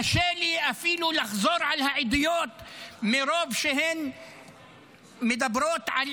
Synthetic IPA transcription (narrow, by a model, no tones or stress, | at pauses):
aʃeːliʔafiːlulaxzˤoːɾˤʕalhaʕid̪ɪjoːt̪mɪɾoːbʃɪhen | mɪd̪abɾoːt̪ʕal